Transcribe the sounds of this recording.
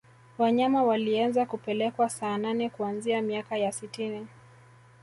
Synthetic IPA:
waɲamawalianzakupɛlɛkwasaːnanɛkuanziamiakajasitini

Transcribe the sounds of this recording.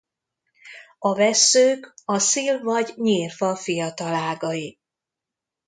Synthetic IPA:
ɒvɛsːøːkɒsilvɒɟɲiːrfɒfijɒt̪ɒlaːɡɒji

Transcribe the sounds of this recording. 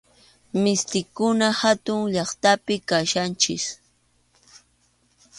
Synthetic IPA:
mɪst̪ɪkʊnahat̪ʊŋʎɑχt̪apɪkaʃant͡ʃɪ̰s

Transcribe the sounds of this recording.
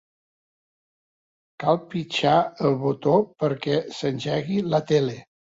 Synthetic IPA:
kalˠpit͡ʃaəlˠβut̪opəɾkɛsənʲʒɛɣilət̪ele

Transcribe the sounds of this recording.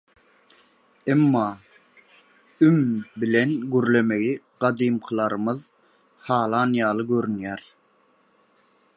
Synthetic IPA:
emːɑː | ymbilenɡyɾlemeɡiɢ̥ɑd̪iːmqʰɯlˠɑɾɯmɯð | hɑːlˠɑnjɑːlˠɯɡøɾynjæɾ

